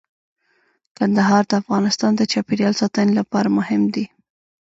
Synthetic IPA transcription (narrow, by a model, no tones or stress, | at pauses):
kand̪aɦɑɾd̪əafɣɑnɪst̪ɑnd̪ət͡ʃɑpeɾjɑlsɑt̪ənelapɑɾamʊhɪmd̪i